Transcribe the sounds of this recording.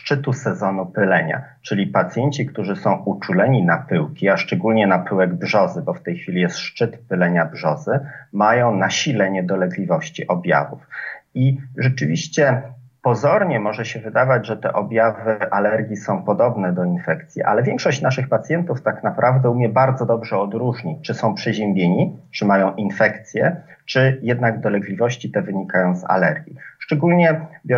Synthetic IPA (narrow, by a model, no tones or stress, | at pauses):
ʂt͡ʂɘt̪usɛzɔnupɘlɛɲa̰ | t͡ʂɘlʲipat̪sʲjɛɲt͡ɕikt̪uʐɘsɔ̃w̃ʔut͡ʂulɛɲinapɘwkʲiaʂt͡ʂɛɡulɲɛnapɘwɛɡbʐɔzɘbɔft̪ɛjxfʲilʲijɛst̪ʂt͡ʂɘt̪pɘlɛɲabʐɔzɘmajɔ̃w̃naɕilɛɲɛd̪ɔlɛɡlʲivɔɕt͡ɕiʔɔbʲja̰vṵfiʐɛt͡ʂɘvʲiɕt͡ɕɛ | pɔzɔɾɲɛmɔʐɛɕɛvɘd̪avad͡ʑʐɛt̪ɛ̰ʔɔbʲjavɘʔalɛɾɡʲjisɔ̃w̃pɔd̪ɔbnɛd̪ɔinfɛkt̪sʲjḭʔa̰lɛvʲjɛŋkʂɔɕt͡ɕnaʂɘxpat̪sʲjɛnt̪uft̪aknapɾʔavd̪ɛumʲjɛbaɾd̪zɔd̪ɔbʐɛɔd̪ɾuʐɲit͡ʂɘsɔ̃w̃pʂɛʑɛmbʲjeɲit͡ʂɘmajɔ̃w̃ʔinfɛkt̪sʲjɛ | t͡ʂɘjɛd̪naɡd̪ɔlɛɡlʲivɔɕt͡ɕit̪ɛvɘɲikajɔ̃w̃za̰lɛɾɡʲjiʂt͡ʂɛɡulɲɛbj